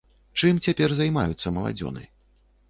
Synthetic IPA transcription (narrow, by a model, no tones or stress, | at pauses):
t͡ʂɨmt͡sʲapʲɛrzajma̰jut̪sːɐmɐlˠa̰d͡zʲɔ̰nɨ̰